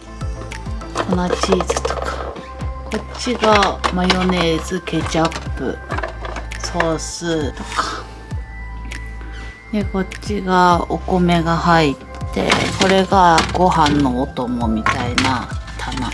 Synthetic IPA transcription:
kʰo̞not͡ɕiːzɨ̥t̪o̥kḁ | ko̞t͡ɕiɡamajo̞ne̞ːzɨke̞t͡ɕapːɯ̟̰ | so̞sɨt̪o̞̥kḁ | d̪e̞ko̞t͡ɕiɡao̞ko̞me̞ɡahait̪ːe̞̰ko̞ɾe̞ɡaɡ̥o̞hãnːo̞ːt̪o̞mo̞mʲit̪ainat̪ʰana̰

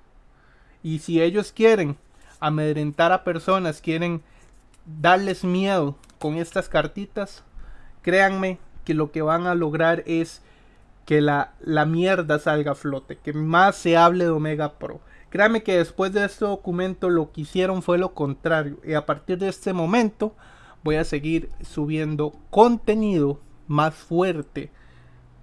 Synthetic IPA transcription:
isie̞ʝo̞skje̞ɾe̞ŋ | ameðɾent̪aɾape̞ɾso̞naskje̞ɾe̞ŋ | d̪aɾle̞zmje̞ðo̞ | ko̞ŋe̞st̪askaɾt̪it̪askɾe̞aŋme̞ke̞lo̞ke̞βaŋalo̞ɣɾaɾe̞s | ke̞lalamje̞ɾðasalɡaflo̞t̪e̞ke̞masːe̞aβle̞ðo̞me̞ɣapɾo̞̰ | kɾeaŋme̞ke̞ðe̞spwe̞zd̪e̞est̪eðo̞kumẽ̞nt̪o̞lo̞keisje̞ɾo̞ɱfwe̞lo̞ko̞nt̪ɾaɾjo̞̰ʔiapaɾt̪iɾðeest̪emõ̞mẽ̞nt̪o̞ | bo̞jase̞ɣiɾsuβje̞nd̪o̞ko̞nt̪eniðo̞masfwe̞ɾt̪e

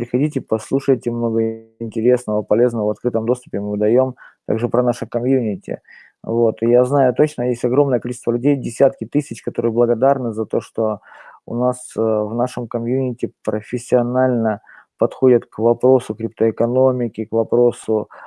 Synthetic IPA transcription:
pɾʲɪxɐdʲitʲɪpɐslˠuʂəjtʲɪmno̞ɡəɪnʲtʲɪɾʲe̞snəvəpɐlʲe̞znəvəvɐt̪kɾɨt̪əmd̪o̞st̪ʊ̥pʲɪmɨd̪ɐjo̞mt̪a̰ɡʐɨpɾɐnaʂɨkɐmjunʲɪtʲɪ̰ | vo̞t̪ɪjaznajʊt̪o̞t͡ɕnəjesʲtʲɐɡɾo̞mnəjəkɐlʲit͡ɕɪst̪vəlʲʉdʲejdʲɪsʲat̪kʲɪt̪ɨsʲɪt͡ɕkɐt̪o̞ɾɨjəblˠəɡɐd̪arnɨzɐt̪o̞ʂt̪o̞ʊ̰nasvnaʂɨmkɐmjunʲɪtʲɪpɾəfʲɪsʲːɪɐnalʲnə | pɐt̪xo̞dʲət̪kvɐpɾo̞sʊkɾʲɪp̚t̪əɪkɐno̞mʲɪkʲɪkvɐpɾo̞sʊ

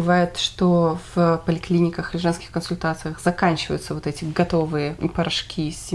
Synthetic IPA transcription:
ɨvajʊt̪ʂt̪ovpəlʲɪklʲinʲɪkəxɪʐɛnskʲɪ̥xkənsʊlʲt̪at̪sɨjəxzɐkanʲt͡ɕɪvə̰jʊt̪səvot̪ɛtʲɪɡɐt̪o̞vɨjəpəɾɐʂkʲisʲɪ

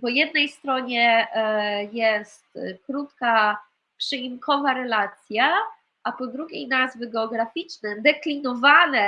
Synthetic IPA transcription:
pɔjɛd̪nɛjst̪ɾɔɲɛ | jɛst̪kɾut̪ka | pʂɘimkʰɔvaɾɛlat̪sʲja | ʔapɔd̪ɾuɡʲejnazvɘɡɛɔɡɾafʲit͡ʂnɛd̪ɛklʲinɔvanɛ

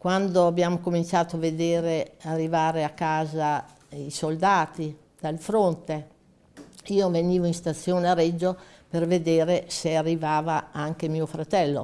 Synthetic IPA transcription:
kwand̪oabjamokomint͡ʃaːt̪oaved̪eːɾearːivaːɾeakːaːza | isold̪aːt̪i | d̪̥alfɾont̪e | iːoveniːvoĩst̪at̪sːjoːneaɾed͡ʒːoperved̪eːɾesearːivaːvaaŋkemiːofɾat̪ɛlːo̰

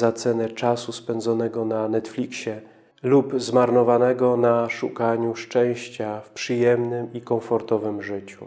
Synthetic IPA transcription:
zat̪sɛnɛt͡ʂasuspɛnd̪zɔnɛɡɔnanɛt̪flʲikɕɛ | lupzmaɾnɔvanɛɡɔnaʂukaɲuʂt͡ʂɛ̃w̃ɕt͡ɕafpʂɘjɛmnɘmikɔ̃fɔɾt̪ɔvɘmʐɘt͡ɕṵ

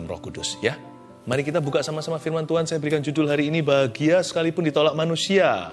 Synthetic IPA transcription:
mrɔ̰hkudʊ̰sja | maɾikit̪abukaʔsamasamafirmant̪uansajabəɾikand͡ʒudʊlɦaɾiːnibaɦaɡiasə̥kalipʊndit̪olaʔ̚manusia

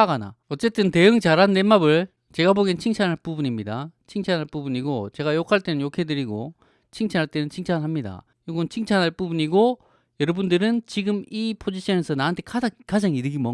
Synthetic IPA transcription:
aɡana̰ʌt͡ɕ͈e̞t͈ɯnte̞jɯŋt͡ɕaɾanːemabɯɭ | t͡ɕe̞ɡaboɡint͡ɕʰiŋt͡ɕʰanɦaɭp͈ubuɲimɲidat͡ɕʰiŋt͡ɕʰanɦaɭp͈ubuɲiɡot͡ɕe̞ɣajokʰaɭt͈e̞nɯnjokʰe̞dɯɾiɡo | t͡ɕʰiŋt͡ɕʰanɦaɭt͈e̞nɯnt͡ɕʰiŋt͡ɕʰanɦamɲida̰ | joɡʌnt͡ɕʰiŋt͡ɕʰanɦaɭp͈ubuɲiɡo | jʌɾʌbundɯɾɯnt͡ɕiɡɯmipʰod͡ʑiɕ͈ʰʌnesʰʌnaantʰekaakad͡ʑaŋiɾɯɡimʌ

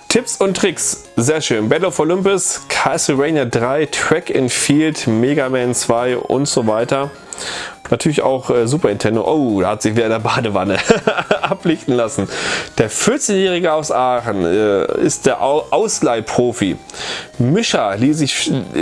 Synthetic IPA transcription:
tʰɪpsʊntːʁ̥ɪks | z̥eːɐʃøːnbɛlofolʏmpʊskʰasəʁɛɪnadʁaɪtʁ̥ɛkɪnfiːltmeːɡamɛnt͡sv̥aɪʔʊ̰ntz̥oːvaɪtɐ | natʰyːɐlɪça̰ʊxʔɛːzuːpɐɪntʰɛndo̰ʔoːdɛɐhatz̥ɪçviːdɐɪndɐbaːdəvanəʔaplɪçtn̩lasn̩d̥eːɐfɪɐt͡senjɛːʁ̞ɪɡəaʊsʔaːχən̩ɛ̰ːɪ̰st̚d̥eːɐʔʔaʊslaɪpʁ̥oːfḭ | mʏʃɐliːszɪç

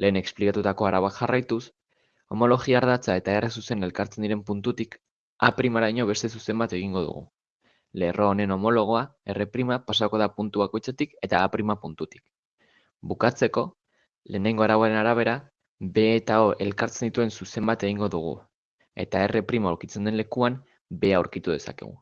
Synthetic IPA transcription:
le̞ːne̞ksplikat̪ut̪ako̞aɾaβakxarajt̪us | o̞mo̞lo̞ɣiaːɾð̞at͡sae̞t̪ae̞resuse̞ne̞lkaɾt͡se̞nd̪iɾe̞mpunt̪ut̪ik | apɾimaɾajɲo̞β̞e̞st̪e̞s̬use̞mbat̪e̞ɣ̞iŋɡo̞ð̞ṵɣ̞ṵ | le̞ro̞ːne̞no̞mo̞lo̞ɣ̞o̞ae̞re̞pɾimapasako̞ð̞apunt̪uβako̞jt͡sat̪ike̞t̪aːpɾimapunt̪ut̪i̥k | bukat͡se̞ko̞ | le̞ːne̞ŋɡo̞aɾaβwaɾe̞naɾaβ̞e̞ɾa | be̞ːt̪ao̞ʔe̞lkaɾt͡se̞nd̪it̪ue̞nsuse̞mbat̪e̞ɣ̞iŋɡo̞ðuɣ̞ṵ | e̞̰t̪ae̞repɾimauɾkit͡se̞nd̪e̞nle̞kuam | be̞auɾkit̪uðe̞sa̰kḛɣ̞ṵ

